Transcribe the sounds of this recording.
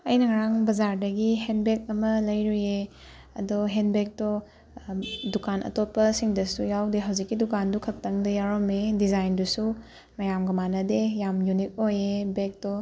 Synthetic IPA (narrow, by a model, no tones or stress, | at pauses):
ɐjnɐŋɐɾaŋbɐzaɾdɐɡihenbek̚ɐmɐlɐjɾuje | ɐ̰doɦenbek̚to | dukanʔɐ̰topːɐsiŋdɐsujawdeɦɐwzikːidukandukʰɐk̚tɐŋdɐjaɾomedizajndusu | mɐjamɡɐmanɐdejamjunik̚ojebek̚dɔ